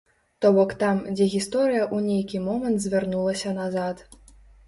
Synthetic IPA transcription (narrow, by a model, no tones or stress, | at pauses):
t̪ɔbɔkt̪amd͡zʲɛɣʲist̪ɔɾɨjɐʔunʲejkʲimɔmɐnt̪zʲvʲɛrnulˠɐsʲɐnazat̪